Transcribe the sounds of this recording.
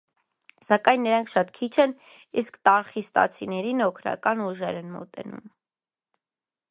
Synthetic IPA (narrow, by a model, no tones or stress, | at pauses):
sɑkɑjnːəɾɑŋkʰʃɑt̪kʰit͡ʃʰɛn | iskt̪ɑɾχist̪ɑ̰t͡sʰinɛɾinɔkʰɾɑ̰kɑnuʒɛɾɛnmɔ̰t̪ɛ̰nṵm